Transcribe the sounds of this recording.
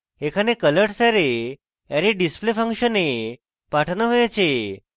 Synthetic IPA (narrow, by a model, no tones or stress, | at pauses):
ekʰanekələʈsaɾe | aɾeɖisplefə̃ŋkɕəne | paʈʰnəɦojat͡ɕe